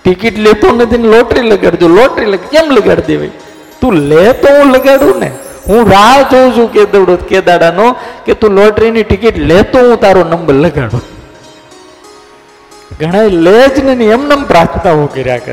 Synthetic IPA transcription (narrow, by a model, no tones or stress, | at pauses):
ʈikiʈlet̪onəd̪ʱinloʈɾiləɡaɽd͡ʒ̪olɔʈɾiləɡkemləɡaɽd̪eʋa̰i | t̪ũlet̪oɦũləɡaɽũnḛ | ɦũɾad͡ʒow̃d͡ʒʰũked̪əɽoked̪aɽanoket̪ũːloʈɾiniʈikiʈlet̪oɦũt̪aɾonəmbəɾləɡa̰ɽṵ | ɡʱəɽ̃aeled͡ʒnəniɛmnəmpɾat̪t̪aɦokəɾja̰kə̰